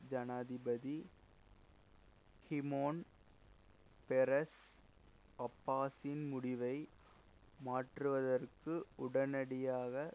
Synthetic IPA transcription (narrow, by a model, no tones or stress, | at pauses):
d͡ʒɐnaːðɪbɐði | hɪmoːn | pɛɾɐs | ɐpːaːsɪnmʊɽɪʋɐɪ | maːʈrɯʋɐðɐrkɯʊɽɐnɐɽɪjaːɣɐ